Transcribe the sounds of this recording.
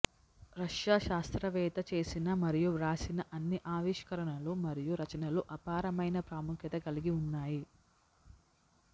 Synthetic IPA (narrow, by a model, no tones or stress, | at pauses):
ɾɐʂjaːʃaːst̪ɾɐʋɛːt̪ɐt͡ʃe̞ːsinɐmɐɾijuɾaːsinɐʔɐnːiʔaːʋiʂkɐɾɐɳɐlumɐɾijuɾɐt͡ʃɐnɐluʔɐpaːɾɐmɐjnɐpɾaːmukʰjɐt̪ɐɡɐliɡiunːaːji